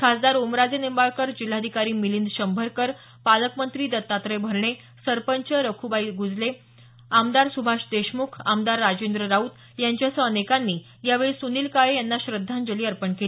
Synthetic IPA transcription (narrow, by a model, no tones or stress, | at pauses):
kʰasd̪aɾomɾad͡zenimbaɭkəɾd͡ʑil̤ːad̪ʱikaɾiːmilind̪ɕəmbʱəɾkəɾ | paləkmənt̪ɾiːd̪ət̪ːat̪ɾəjbʱəɾɳe | səɾpəɲt͡ɕəɾəkʰubaiɡud͡zle | amd̪aɾsubʱaɕd̪eɕmukʰamd̪aɾːad͡ʑend̪ɾəɾaut̪ | jaɲt͡ɕjasəənekanːiː | jaʋeɭisuniːlkaɭejanːaɕɾəd̪ʱːand͡zəliːəɾpəɳkeli